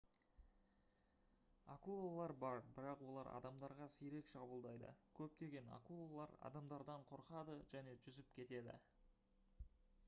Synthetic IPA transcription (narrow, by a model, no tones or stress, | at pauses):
akulˠolˠɑɾbɑɾbɪɾɑqwo̞lˠɑɾɑ̰d̪ɑmd̪ɑɾʁɑsiɾe̞kʃɑbəlˠd̪ɑjd̪ə̰kʲʰɵp̚t̪e̞ɡʲe̞na̰kulˠolˠɑ̰ɾɑ̰d̪ɑmd̪ɑɾd̪ɑɴqʰo̞ɾqɑd̪əʒæne̞ʒʏzɪpkʲʰe̞t̪e̞d̪ɪ̰